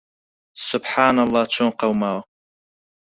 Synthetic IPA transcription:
sʊbħaːnalˠˤːɑt͡ʃʰonqɑwmaːw

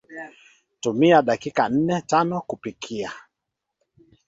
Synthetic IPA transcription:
tumiaɗakikan̩nɛtanɔkupikʰia

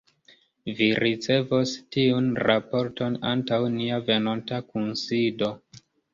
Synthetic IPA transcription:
viɾʔit͡se̞vostiunɾapo̞ɾto̞na̰ntawniave̞no̞ntakunsido̞

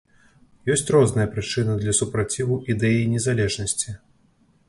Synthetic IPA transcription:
jɔsʲt͡sʲrɔznɐjɐpɾɨt͡ʂɨnɐd̪lʲɐsupɾat͡sʲivuʔid̪ɛjinʲɛzalʲɛʐnɐsʲt͡sʲi

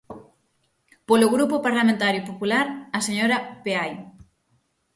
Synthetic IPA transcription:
polʊɣɾupʊpaɾlamẽnt̪aɾjʊpopulaɾɐseɲoɾɐpeaj

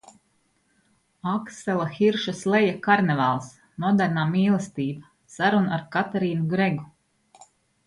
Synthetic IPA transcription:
aksɛlˠaxiɾʃaslˠɛjakaɾnɛvalˠs | nuɔd̪æɾnaːmiːlˠɛst̪iːba | saɾunaɾkat̪ɛɾiːnuɡɾeɡu

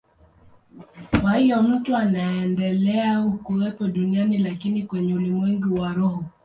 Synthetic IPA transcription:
kwahijɔm̩tuanaɛndɛlɛaukuɛpɔɗunianilakinikwɛɲɛulimwɛŋɡiwaɾɔhɔ

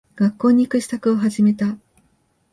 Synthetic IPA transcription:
ɡ̥akːo̞ːɲ̟ːikɯ̟ɕi̥t̪akɯ̟o̞ɦaʑime̞t̪a

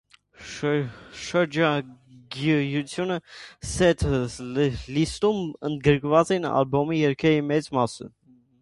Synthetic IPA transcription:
ʃəɾd͡ʒɑ | ɡjut͡sʰjunəsɛt̪ʰ | list̪umənd̪ɡəɾkvɑt͡sɛinɑ̰lbɔmijɛɾkʰɛɾimɛt͡smɑsə̰

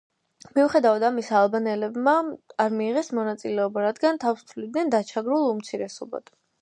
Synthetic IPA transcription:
miuχɛd̪avad̪amisaːlˠbanɛlɛbmaaɾmiːʁɛsmɔnat̪sʼilɛɔbaɾad̪ɡant̪ʰafst̪ʰvlid̪nɛnd̪at͡ʃʰaɡɾulˠumt̪sʰiɾɛsɔba̰d̪̥

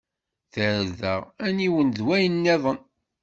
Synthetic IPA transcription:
θəɾðəʁæniwənðwæjənːeðˤən

